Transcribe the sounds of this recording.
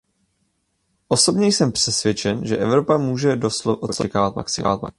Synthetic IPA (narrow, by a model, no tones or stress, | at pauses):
ʔo̞so̞bɲɛjsɛmpr̝̥ɛsvjɛt͡ʃɛnʒɛʔɛvɾo̞pamuːʒɛdosʔosoɛkaːvat̪ma̰ksɪ̰va̰t̪̚ma̰